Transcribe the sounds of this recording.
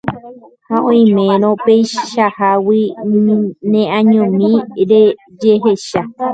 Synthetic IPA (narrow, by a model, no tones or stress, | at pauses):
hãõĩmẽɾ̃õpejʃahawi | nẽʔãɲõmĩɾe | d͡ʒeɦeʃa